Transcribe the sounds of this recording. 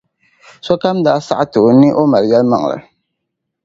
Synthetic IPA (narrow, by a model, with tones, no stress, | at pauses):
sɔ˦ka˦mdaː˨˦sa̰˦ʔa˦tɨ˨o˨nɪ˦ʔo˦ma˨ljɛ˦lma̰˨ŋ˨la̰˨